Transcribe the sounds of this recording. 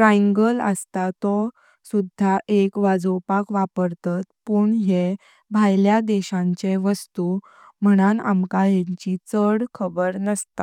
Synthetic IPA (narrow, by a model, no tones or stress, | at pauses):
ɾaŋɡələ̰st̪at̪ɔ | sud̪ʱːaʔekʋad͡zɔwpakʋapəɾt̪at̪puːɳɦe | bʱajljad̪ɛɕãɲt͡ɕeʋəst̪u | m̤əɽ̃ana̰mkajeɲt͡ɕit͡səɽkʰəbəɾnəst̪a